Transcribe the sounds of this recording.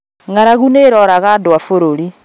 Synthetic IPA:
ŋaɾaɣuneɾɔɾaɣadwafoɾoɾi

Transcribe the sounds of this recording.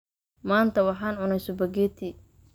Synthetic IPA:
maːnt̪ʰɐwɑħɑːnʕʊnɛjsɔbɐɡɛːt̪ʰiː

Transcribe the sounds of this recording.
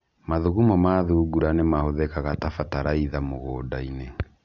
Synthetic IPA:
maðuɣumɔmaðuɡuɾanemahoðɛkaɣatafataɾaiðamoɣoːdaine

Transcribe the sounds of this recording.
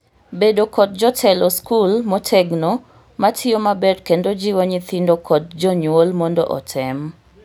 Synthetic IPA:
bedokɔt̚d͡ʒɔtʰɛlɔskulmɔtʰɛɡno | matʰiomabɛdkendod͡ʒiwoɲit̪indokʰɔt̚d͡ʒɔɲwolmɔndɔ̰ʔɔ̰tʰɛm

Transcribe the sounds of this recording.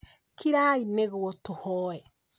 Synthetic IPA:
kʰiɾaːineɣoɔtohɔɛ

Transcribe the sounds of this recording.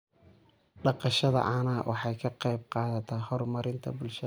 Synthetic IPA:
ɖɑqɑʃɐðɐ̰ʕɑːnaːwʔɑħɑjkʰɐqɑjb̚qɑːðɐt̪ʰɐhɔrmɐɾɪnt̪ʰɐ̰bʊlʃɐ

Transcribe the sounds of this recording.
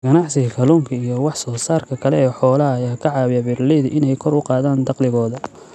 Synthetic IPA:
ɡ̥ɐnɑʕsɪɣɐkʰɐluːmkʰɐijɔwɑħsɔːsaːrkʰɐkʰɐlɛɛːħɔːlɐɦɐːjaːkʰɐʕɑːwɪjɐbɪrliðʔɪnɛjkʰɔɾʊqɑːðaːnd̪ɑqlɪɣɔːðɐ

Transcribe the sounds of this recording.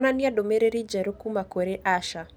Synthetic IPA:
naniadomeɾeɾid͡ʒɛɾokumakoɾeʔaʃa

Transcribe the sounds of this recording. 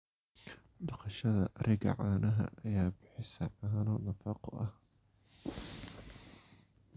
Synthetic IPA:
dɑqɑʃɐðɐʔɐɾʔɪɡɐ̰ʕaːnɐɦɐ̰ʔɐjaːbɪħɪsɐʕaːnɔnɐfɑqɔʔɐh

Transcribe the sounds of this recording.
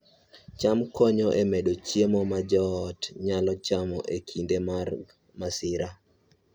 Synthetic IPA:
t͡ʃamkɔɲɔʔemeɗot͡ʃjemɔmad͡ʒɔtɲalɔt͡ʃamɔʔekʰindemar | masɪɾa

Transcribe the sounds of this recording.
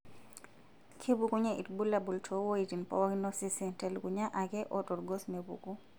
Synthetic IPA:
kʰebukuɲaʔḭtbulabultʰɔwojitinpɔ̰wakinɔsɛsɛntɛlkuɲaʔakɛʔɔɗɔɾɡɔsmebṵku

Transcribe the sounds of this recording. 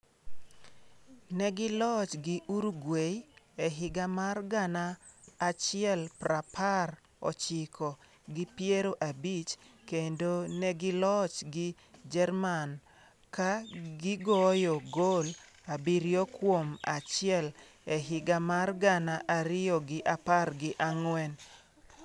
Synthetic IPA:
nɛɡɪlɔt͡ʃɡɪʔuɾuɡwej | ɛɦɪɡamarɡanaːt͡ʃɪɛlprapʰar | ɔ̰t͡ʃɪkʰɔ | ɡɪpjeɾoʔabit͡ʃkendonɛɡɪlɔt͡ʃɡɪ | d͡ʒɛrman | kaɡɪɡɔjoɡol | abiɾjokwomat͡ʃɪɛl | ɛɦɪɡamarɡanaʔaɾɪjɔɡɪʔaparɡɪʔaŋwɛn

